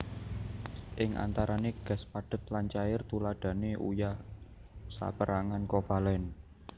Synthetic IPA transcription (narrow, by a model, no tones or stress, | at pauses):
ʔɪŋʔa̰nt̪aɾaneɡ̥a̤spaɖ̥ə̤t̪̚laɲt͡ʃaɪrt̪ulad̥a̤neʔṵjah | sa̰pəɾʔaŋankopalɛn